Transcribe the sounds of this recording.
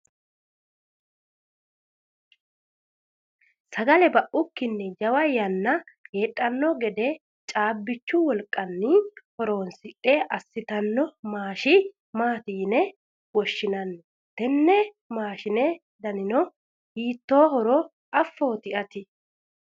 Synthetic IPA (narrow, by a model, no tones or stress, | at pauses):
sɐɡɐlɛbɐʔʊkːɪnːɛd͡ʒɐwɐjɐnːɐkeːᶑʼːɐnːɔɡɛd̪ɛ | t͡ʃʼaːbːɪt͡ʃːʊwɔlkʼːɐnːɪhɔɾo̞ːnsɪtʼːeʔɐsːɪt̪ɐnːɔmaːʃɪ | maːt̪iːnɛ | wɔʃːɪnɐnːɔ | t̪ɛnːɛ | maːʃɪnɛ | d̪ɐnɪnɔ | hiːt̪ːo̞ːɦɔɾɔ | ɐfːo̞ːt̪ɪʔɐt̪ɪ